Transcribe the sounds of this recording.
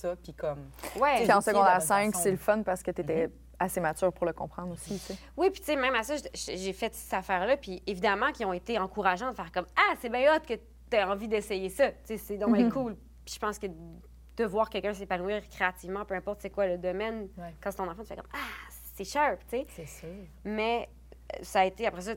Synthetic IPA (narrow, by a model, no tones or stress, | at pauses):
sʌpikʰɔmwɛseɑ̃səɡɔ̃d̪ɛʁsɛ̃ksseləfɔnpaʁsə̥kət̪yet̪ɛ | asemat͡syːʁpuʁləkɔ̃pχɑ̃d̪ʁosit͡se | wipi̥tt͡semɛ̃masʌʒʒʒefɛt̪sɛ̥t̪afɛːʁlʌpievid̪amɑ̃kʲiɔ̃et̪eɑ̃kuʁaʒɑ̃d̪əfɛːʁkɔmasɛbɛ̃ɔt̪χkə | yɛɑ̃vid̪ɛsɛjesʌt͡sesed̪ɔ̃ɛkʰul | pi̥ʒ̥ə̥pɑ̃skə | d̪̥əvwaːʁkʲɛlkʲɜ̃s̬epanwiːʁkʲχeat̪ivmɑ̃pøɛ̃pɔʁt̪sɛkwaləd̪ɔmɛnwɛkɑ̃set̪ɔ̃nɑ̃fɑ̃t̪y̥fɛ̰kɔ̰ma | sɛʃapt͡ses | mɛ̰ | saːet̪eapχɛs̬ʌ